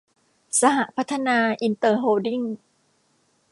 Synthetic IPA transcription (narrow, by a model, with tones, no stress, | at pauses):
sa˧ɦa˨˩ʔpʰa˦˥t̪ʰːa˧naː˧ʔi˧nt̪ɤː˧ɦoː˧di˥˩ŋ